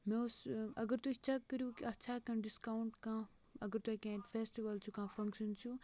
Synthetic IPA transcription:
mẽosɐɡəɾt̪uit͡ʃʰɐkːəɾjũkiɐtːʃʰakɐ̃nɖiskaːuɳʈkãː | ɐɡəɾt̪uekẽːʈfeːsʈiʋɐlt͡ʃʰukãːfɐ̃ŋkʃənt͡ʃʰu

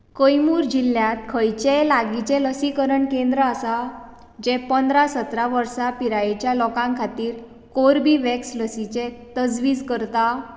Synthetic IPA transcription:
kəjmuːɾd͡ʑilːjãt̪kʰəjt͡ɕelaɡit͡ɕẽləsikəɾəɳkẽnd̪ɾəasa | d͡ʑɛpənd̪ɾasət̪ɾaʋəɾsapiɾajet͡ɕjalɔkãŋkʰat̪iːɾ | koɾbiʋɛksləsit͡ɕẽt̪əd͡zʋiːd͡zkəɾt̪a

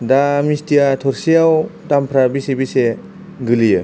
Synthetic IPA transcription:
damistijatʰɔɾsiawdampʰɾabisebise | ɡɯlijɯ

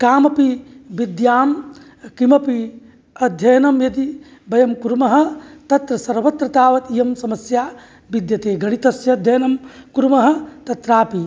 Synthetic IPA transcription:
kaːmɐpibid̪jaːm | kimɐpi | ɐd̪ʱjɐjɐnɐmjɐd̪i | bɐjɐmkuɾmɐɦɐ̆t̪ɐt̪ɾɐsɐɾʋɐt̪ɾɐt̪aːʋɐt̪ijɐmsɐmɐsjaː | bid̪jɐt̪eːɡʱɐɽ̃it̪ɐsjɐd̪ʱjɐjɐnɐmkuɾmɐɦɐ̆t̪ɐt̪ɾaːpi

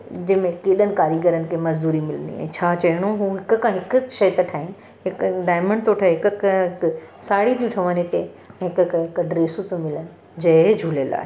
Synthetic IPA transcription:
d͡ʑɪ̃ɦmẽkeːɗənɪ̆kaːɾiɡəɾənɪ̆kʰemɐzd̪uːɾimɪlənd̪ḭɛ̰̃ːt͡ɕʰaːt͡ɕɐɽ̃õɦũːɦɪkkʰãɦɪkʃɐjt̪ɐʈʰaːɪnɪ | ɦɪkɖaːɪmə̃ɳɖt̪oːʈʰaɦɪkkɦɪksaːɽit̪ʰĩʈʰɐʋənet̪e | ɛ̃ːɦɪkkʰãɦɪkɖɾeːsut̪omɪlənɪ̆ | d͡ʑɐd͡ʑʱuːlela̰ːɦe

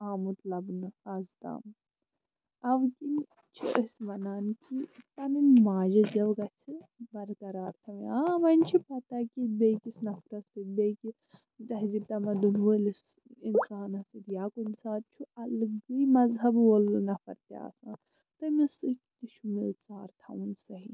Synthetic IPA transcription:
aːmut̪lɐbnɨɐzt̪a̰ːm | ɐʋkin | t͡ʃʰiʔəsʲʋɐnaːnkit̪ɐninmaːd͡ʒɐd͡ʒɐʋɡɐt͡sʰibɐɾkɐɾaːɾt̪ʰɐʋiãːʋɐnʲt͡ʃʰipɐt̪akʲibekisnɐfɾɐsɨbeki | t̪ɐɦizib̚t̪ɐmɐd̪unʋəlis | insaːnɐsɨt̪jaːkunsaːɾ̚t͡ʃʰuɐlɡɨjmɐzɦɐbʋolnɐfɐɾt̪ja̰ːsãː | t̪ɐmisɨkt̪iʃʰumisaːɾt̪ʰɐ̰wunsɐɦi

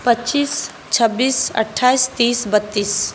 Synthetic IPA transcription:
pətːt͡ʃiːs | t͡ʃʰəbːiːsə̰ʈʰːaːist̪iːsbət̪ːiːs

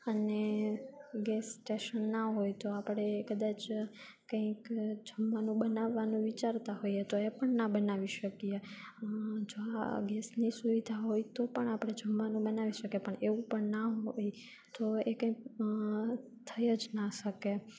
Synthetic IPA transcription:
əne | ɡɛsːʈeʃənːaɦojt̪oapəɽ̃ekəd̪at͡ʃ | kə̃ĩkd͡ʒʱəmʋanũbənaʋːanũʋit͡ʃaɾt̪aɦojet̪oepəɳnabənaʋiʃəkije | d͡ʒoa̰ɡɛsnisuʋid̪ʱaɦojt̪opəɳapəɽ̃ed͡ʒʱəmʋanũbənaʋiʃəkepəɳeʋũpəɳnaɦoj | t̪oekə̃ĩk | t̪ʰəjəd͡ʒnaʃəke

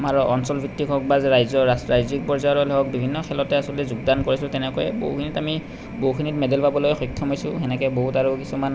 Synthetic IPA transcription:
maɹɔɔnsɔlbʱitːikʰɔk̚bazɹajzɔasɹajzik̚pɔɹzajɔɹɔlɔɔk̚bibʱinːɔkʰɛlɔtɛasɔlɛzuɡdankoɹisʊ̃tɛnɛkɔjɛ̰bo̰ɦukʰinitami | boɦukʰinitmɛdɛlpabɔlojxɔjkʰːɔmɦojsʊ̃ɛnɛkɛboɦutaɹʊkisuman

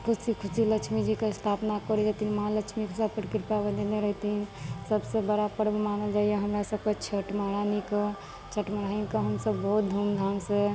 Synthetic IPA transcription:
kʰusikʰusiləkt͡ʃʰmid͡ʒikest̪ʰapnakɔɾid͡ʒat̪iɦinmɦãləkt͡ʃʰmikʰsapəɾkiɾpjabəd̪eneɾəɦt̪iɦinsəbsebəɾabəɾmanəld͡ʒaijeɦəmɾasəb̚ket͡ʃʰəʈmaɾanike | t͡ʃʰəʈməɽaɦinkəɦəmsəbːɔɦut̪̚d̪ʱumd̪ʱamse

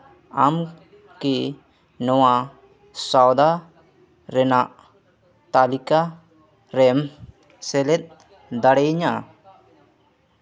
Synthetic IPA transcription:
am | ki | nɔwa | sawd̪a | ɾɛnaʔ | t̪alika | ɾɛm | sɛlɛt̪̚ˀ | d̪aɽɛjɲa

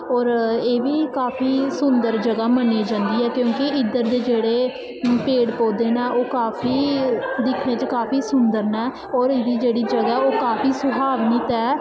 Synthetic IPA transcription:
ɔːɾeːbiːkaːpʰiːsʊnd̪əɾd͡ʒəɡaːməniːd͡ʒãːnd̪iːɦɛːkjõːkɪɪd̪əɾd̪eːd͡ʒeːɽeː | peːɽpoːd̪eːnaːʔoːkaːpʰiːd̪ɪkʰnẽːt͡ʃkaːpʰiːsʊnd̪əɾnɛː | ɔːɾɪd̪iːd͡ʒeːɽiːd͡ʒəɡaoːkaːpʰiːsʊbʱaːʋnit̪ɛː

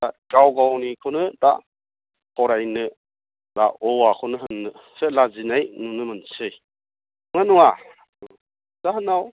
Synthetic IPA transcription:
aɡawɡawnikʰɯnɯda̰ | pɔɾajnɯ | daɔwakʰɔnɯɦɯnːɯselazinajnunɯmɯnsɯj | ŋanuŋa | zaɦɯnaw

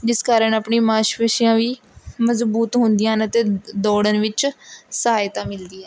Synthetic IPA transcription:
d͡ʒɪskaːɾəɳapɳiːmaːʃʋəʃɪjãːʋiː | məzbuːt̪ɦʊnd̪ɪjãːɦənət̪eːd̪ɔːɽənʋɪt͡ʃsəɦaːjt̪ãːmɪld̪iːɛ̃ː

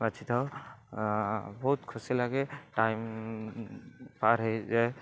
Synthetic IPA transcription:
bat͡ʃʰit̪ʰaw | bɔɦut̪kʰusilaɡɛʈajm | paɾɦejza

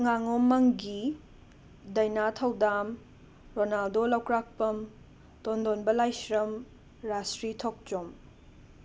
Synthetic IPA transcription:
ŋaŋomːɐŋɡi | dɐjnatʰɐwdam | ɾonaldolɐwkɾak̚pɐm | tondonbɐlajsɾɐm | ɾastɾitʰok̚t͡ʃom

